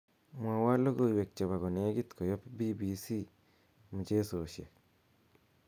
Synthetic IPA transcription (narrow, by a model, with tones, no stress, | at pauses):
mwa˨wa˦lo˦ɡo˨i˨we˨k̚t͡ʃɔ˨βa˨ɡɔ˨ne˨˦ɡi˦t̪kɔ˨jɔ˦pbi˦bi˨si˦ | mu˨t͡ʃe˦so˨ʃḛ˨